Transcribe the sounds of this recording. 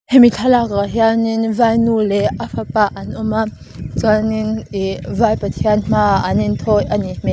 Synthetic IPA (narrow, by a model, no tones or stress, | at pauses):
hemit͡ɬʰalakaɦjaninvajnulɛʔafapaʔɐnʔɔma | t͡suanɪnivajpat̪ʰiɐnm̥aʔɐnint̪ʰɔjʔɐnim̥e